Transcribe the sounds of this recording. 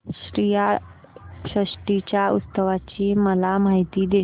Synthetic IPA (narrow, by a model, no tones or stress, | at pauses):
ɕɾija | ɕɾəʂʈit͡ɕjaut̪səʋat͡ɕiːməlamaɦit̪iːd̪e